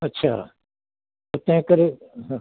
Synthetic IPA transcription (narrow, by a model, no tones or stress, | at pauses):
ɐtːʃʰa̰ː | ot̪ɛ̃ːkəɾẽ